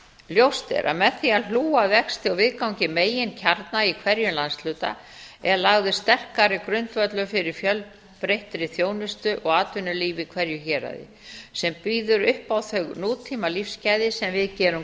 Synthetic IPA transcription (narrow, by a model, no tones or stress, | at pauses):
ljowst̪ɛ̰ɾʔa̰ðmɛðθialuːavɛkst̪ɪɔwvɪðkawɲcɪmeːjɪncʰaɾt̪naikʰvɛɾjʏlanslʏːt̪a̰ | ɛɾlaɣðʏst̪ɛr̥kaɾɪkɾʏnt̪vœt̪lʏfɪɾɪɾ̥fjœl | pɾejht̪ɾɪθjoːwnʏst̪ʏʔɔɣaːt̪ʏnʏliːvɪkʰvɛɾjʏçɛːɾa̰ðɪ̰ | sɛmpiːðʏɾʏhpawθœɣnuːt̪ʰiːmalifscajðɪsɛmvɪðcɛːɾʏm